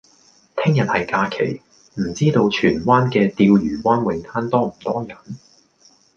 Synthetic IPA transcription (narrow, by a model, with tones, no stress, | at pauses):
t̪ʰɪ˥ŋjɐ˨t̚hɐ˨jkaː˧kʰḛ˨˩j | m̩˨˩t͡siː˥t̪o˧wt͡ʃʰyː˨˩nwaː˥nkɛː˧t̪iː˧wjyː˨˩waː˥nwɪ˨˧ŋt̪ʰaː˥nt̪ɔː˥m̩˨˩t̪ɔː˥jɐ˨˩n